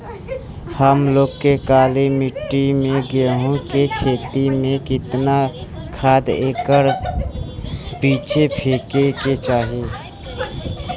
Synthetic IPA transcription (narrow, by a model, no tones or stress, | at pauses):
həmloːɡkːekaːlemɪʈːimẽɡeɦõkekʰeːt̪imẽkɪt̪nakʰaːd̪eːkəɾ | piːt͡ʃʰepʰeːkeket͡ʃaːɦie